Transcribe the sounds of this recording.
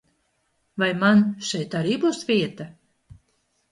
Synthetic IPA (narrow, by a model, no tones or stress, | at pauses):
vajmanʃɛjt̪aɾiːbuːsvʲiɛt̪a